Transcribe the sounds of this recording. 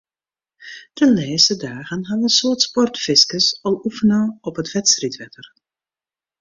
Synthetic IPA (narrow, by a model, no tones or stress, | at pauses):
d̥əleːsədaːɣənɦaʋəənsʊərtspɔrtfɪskəsɔlˠufənəɔpətʋɛtstritʋɛtər